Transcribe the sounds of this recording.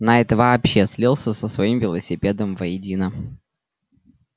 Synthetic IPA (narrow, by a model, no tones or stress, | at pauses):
nɐɛt̪əvɐːpɕːesʲlʲilˠsʲəsəsvɐimvʲɪlˠəsʲɪpʲed̪əmvɐjɪdʲinə